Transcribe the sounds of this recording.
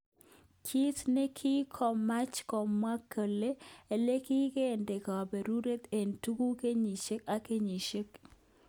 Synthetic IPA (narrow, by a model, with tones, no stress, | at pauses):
kʰi˦sne˦kʰi˦kʰɔ˨ma˦t͡ʃkɔ˨mwa˦kːə˨leː˦˨le˦ki˦ke˦˨nde˨ka˨be˨ɾu˦ɾe˦t̪e˨ntu˦ɡu˦ke˦ɲi˨t͡ʃe˦ka˦ke˦ɲi˨ʃe˦k̚